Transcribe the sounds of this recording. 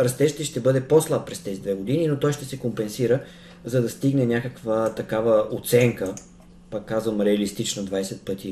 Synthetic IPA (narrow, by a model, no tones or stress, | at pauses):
ɾɐst̪ɛʃt̪iʃt̪ɛbɤd̪ɛposlˠappɾɛst̪ɛzid̪vɛɡod̪ininot̪ɔjʃt̪ɛsɛkompɛnsiɾə | zɐd̪ɐst̪iɡnɛnʲjakəkvət̪ɐkavəot̪sɛŋkə | pakːazvəmɾɛɐlist̪it͡ʃnod̪vajsɛt̪̚pɤt̪i